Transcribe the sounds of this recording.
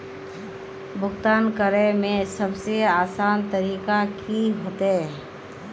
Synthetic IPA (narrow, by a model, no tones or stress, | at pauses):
bʱʊɡt̪aːnkəɾemẽsəbseaːsaːnt̪əɾiːkakʰiɦoːt̪e